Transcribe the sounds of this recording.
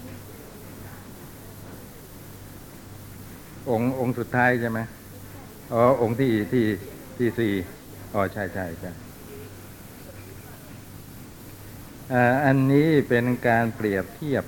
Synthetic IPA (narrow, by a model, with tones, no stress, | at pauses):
ʔo˧ŋʔo˧ŋsu˨˩t̪ʰːaː˦˥jt͡ɕʰa˥˩jma˦˥j | ʔɔː˧˩ʔo˧ŋt̪ʰiː˧˩t̪ʰiː˧˩ | t̪ʰiː˧˩siː˨˩ | ʔɔː˧˩t͡ɕʰa˥˩jt͡ɕʰa˥˩jt͡ɕʰa˥˩j | ʔaː˧˩ʔa˧nːiː˦˥pe˧nkaː˧npɾi˨˩əp̚t̪ʰi˥˩əp̚